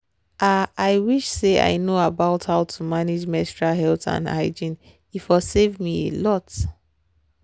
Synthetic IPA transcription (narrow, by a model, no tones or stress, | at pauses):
ʔaaɪwiʃsea̰ɪnoabaʊthaʊtʰumanid͡ʒmɛstɹaɦɛlθã̰nda̰ɪd͡ʒĩn | ifɔsevmiḛlɔt